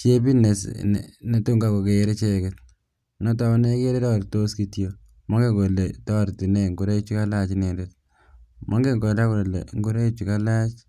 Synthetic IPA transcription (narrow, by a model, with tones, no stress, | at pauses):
t͡ʃje˦bi˦ne˨sn̰ne˨tu˦ŋɡa˨ko˨keː˨˦ɾe˦t͡ʃe˦˨ke˦t̚ | nɔ˦ta˦ne˦ke˦ɾe˦tɔ˦ɾto˦ski˦tjo˦ | mɔ˦ŋɡe˦ɡo˨le˨tɔ˦˨ɾti˨ne˦˨ŋɡu˨ɾe˦t͡ʃu˦ka˦la˦t͡ʃine˨det̚ | mʔɔ˦ŋɡe˦ŋɡo˨la˦ku˨lḛ˨ŋɡu˦ɾe˦t͡ʃu˨ka˦la˦t͡ʃ